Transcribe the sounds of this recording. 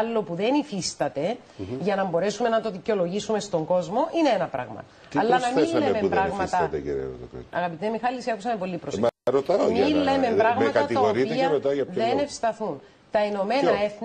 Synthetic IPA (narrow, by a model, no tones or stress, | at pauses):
lːo̞puðe̞nifist̪ɐt̪e̞ | ʝɐnɐmbo̞ɾe̞sume̞nɐt̪oðico̞lo̞ʝisume̞st̪o̞ŋɡo̞zmo̞ʔineenɐpɾɐ̰ɣmɐ̰ | ɐlːɐnɐmillemepɾɐɣmɐsɐɐt̪ḛcḛɾɐ̰ɾo̰t̪ɐkɐ̰ɣɐpit̪emixɐlisiɐkusɐmepo̞lːipɾosɾot̪ɐomillemempɾɐɣmɐtɐkɐɐt̪iɐɣoɾitp̪iiɐeɾet̪ɐjɐpðenefst̪ɐθun | t̪ɐeno̞me̞nɐe̞θ